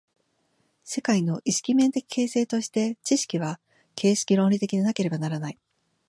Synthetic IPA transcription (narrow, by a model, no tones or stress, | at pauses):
se̞kaino̞ʔiɕi̥kʲimẽ̞nt̪e̞kʲi̥kʰe̞ːse̞ːt̪o̞ɕi̥t̪e̞t͡ɕiɕi̥kʲiβa | kʰe̞ːɕi̥kʲiɾõ̞ɾʲit̪e̞kʲid̪enake̞ɾe̞banaɾanai